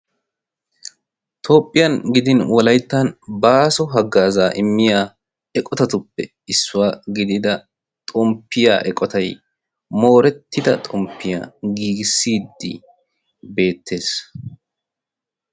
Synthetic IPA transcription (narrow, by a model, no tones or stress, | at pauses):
t̪ʰo̞ːpʼːɪjɐnɡɪd̪ɪnwɔlɐjt̪ːɐnbaːsɔɦɐɡːaːzaːʔɪmːɪjaː | ɛkʼɔt̪ɐt̪ʊpːɛ | ɪsːʊwaːɡɪd̪ɪd̪ɐ | t̪ʼɔmpːɪja̰ːʔɛkʼɔt̪ɐj | mo̞ːɾɛt̪ːɪd̪ɐt̪ʼɔmpːɪja̰ːɡiːɡɪsːiːd̪ːɪ̰ | be̞ːt̪ːe̞ːs